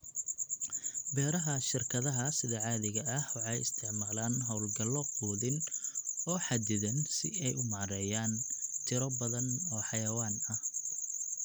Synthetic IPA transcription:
bɛːɾɐɦɐʃɪrkʰɐðɐɦɐsɪðɐʕɑːðɪɣɐʔɐhwɑħɑjɪ̰st̪ʰɪʕmaːlaːnɦɔwlɡɐlːɔquːðɪn | ɔːħɑd̪ɪðɐnsɪ̰ɛjʊmɑːɾɛjaːnt͡ʃʰɪɾɔbɐðɐnɔːħɑjɐwaːnɐh

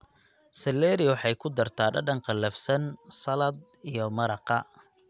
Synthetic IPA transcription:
sɐlːɛːɾɪwɑħɑjkʰʊd̪ɐrt̪ʰaːɖɐɖɐɴqɑlɐfsɐnsɐlɐd̪̚ | ijɔmɐɾɑqɑ

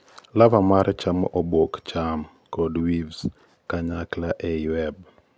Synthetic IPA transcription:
lavamaɾt͡ʃamʔɔbokt͡ʃam | kɔdwivs | kaɲaklaʔɛwɛb

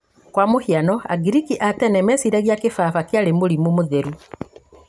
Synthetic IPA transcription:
kwamohianɔa̰ɡiɾikiʔatɛnɛmɛsiɾaɣjakefafakeaɾemoɾimumoðeɾu

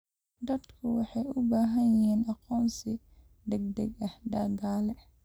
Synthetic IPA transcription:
d̪ɐd̪kʰʊwɑħɑjʔʊbaːɦɐnjɪhiːnɐqɔːnsi | d̪ɛɡ̚d̪ɛɡɐhd̪ɐːɡaːlɛ

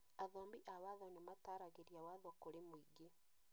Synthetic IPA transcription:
aðɔːmbiʔawaðɔnemataɾaɣeɾiawaðɔkoɾemoiɡe

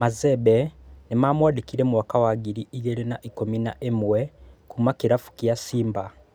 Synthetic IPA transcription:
mazebenimamwaːdikiɾemuwakawaɡiɾiʔijeɾenaʔikomina̰ʔemuwekumakiɾafu̥kiasiːmba

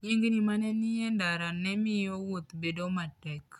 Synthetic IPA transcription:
ɲiŋɡinimanɛnijɛndaɾanɛmijɔwot̪bedomatɛk

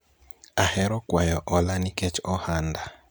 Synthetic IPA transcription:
ahɛɾɔkwajɔʔɔlaniket͡ʃɔhanda

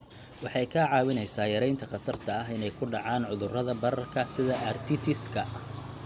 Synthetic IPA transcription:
wɑħɑjkʰɐʕɑːwɪnɛjsaːjɐɾɛjnt̪ʰɐχɑt̪ʰɐrt̪ʰɐːɦɪnɛjkʰʊɖɑʕaːnʕʊðʊrɐðɐbɐɾɐrkʰɐsɪðɐʔɐrt̪ʰɪt̪ʰɪskʰɐ

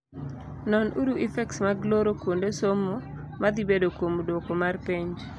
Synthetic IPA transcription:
nɔnʔuɾuʔifɛksmaɡloɾokwondesomo | mad̪ibedokwomdokomarpeɲd͡ʒ

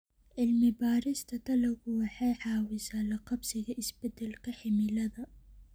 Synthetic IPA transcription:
ʕɪlmɪbaːɾɪst̪ʰɐt̪ʰɐlɐɣʊwɑħɑjħɑːwɪsaːlɐqɑbsɪɣɐʔɪsbɛd̪ɛlkʰɐħɪmɪlɐðɐ

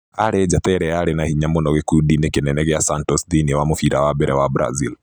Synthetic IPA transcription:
aɾɛd͡ʒat̪ɛɾɛaɾɛnahiɲamɔnɔɣekudinekenɛnɛɣɛasantɔsdiniwamofiɾawabɛɾʔɛwabɾa̰zil

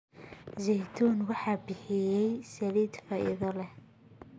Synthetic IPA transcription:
zɛjt̪ʰuːnwɑħɑːbɪħɪjɛjsɐliːd̪fɐʔɪ̰ðɔlɛ

